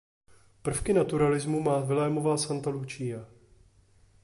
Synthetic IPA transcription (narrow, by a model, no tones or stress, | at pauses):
pr̩fkɪnat̪uɾalɪzmumaːvɪlɛːmo̞vaːsant̪alut͡ʃija